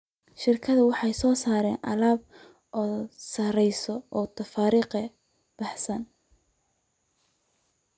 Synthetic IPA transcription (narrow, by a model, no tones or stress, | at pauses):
ʃɪrkʰɐðɐwɑħɑjsɔːsaːɾɛ̰ːnʔɐ̰laːb̚ | ʔɔːsɐɾɛjsɔʔɔːt̪ʰɐfaːɾiːqɐ | b̥ɑħsɐn